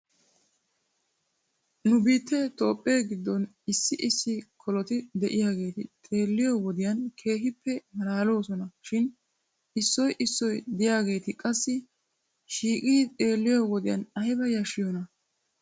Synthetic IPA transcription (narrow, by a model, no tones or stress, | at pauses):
nʊbiːt̪ːɛt̪o̞ːpʼːeːɡɪd̪ːɔn | ɪsːɪʔɪsːɪkʰɔlɔt̪ɪd̪ɛʔɪjaːɡe̞ːt̪ɪt̪ʼe̞ːlːɪjowɔd̪ɪjɐnkʰe̞ːɦɪpːɛmɐɾaːlo̞ːsɔnɐʃɪn | ʔɪsːɔjʔɪsːɔjd̪ɪjaːɡe̞ːt̪ɪkʼɐsːɪ | ʃiːkʼiːt̪ʼe̞ːlːɪjowɔd̪ɪjɐ̰nɐjɪbɐjɐʃɪjɔnɐ